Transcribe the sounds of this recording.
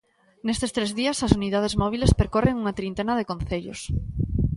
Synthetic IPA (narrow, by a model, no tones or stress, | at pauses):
nest̪est̪ɾezðiɐsɐsunið̞að̞ezmɔβ̞ilespeɾkoreŋuŋat̪ɾint̪enɐðekõnθeʎo̰s